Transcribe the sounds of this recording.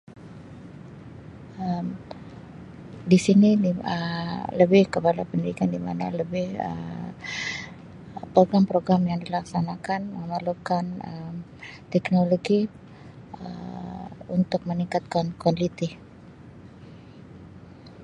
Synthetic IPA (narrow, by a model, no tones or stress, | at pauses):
əm | disiniiələbɪhkəpalapəndiɾikandima̰na̰ləbɪhə̰ | pɾoɡɾampɾoɡɾamjaŋdilaksanakanməməlukanəm | t̪ɛknoloɡi | ə | unt̪ʊk̚məniŋkat̪̚kankanlit̪i